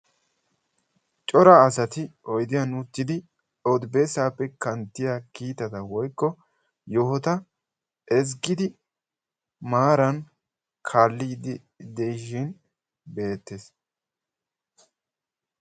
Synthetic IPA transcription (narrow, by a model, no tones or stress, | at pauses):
t͡ʃʼɔɾɐːsɐt̪ɪɔjd̪ɪjɐnuːt̪ːɪd̪ɪ | ɔd̪beːsaːpːɛkɐnt̪ːɪjakiːt̪ɐt̪ɐwɔjkːɔ | jɔhɔt̪ɐ | ɛz̬ɡɪd̪ɪ | maːɾɐn | kʰaːlːid | d̪ɛjʃɪn | be̞ːt̪ːes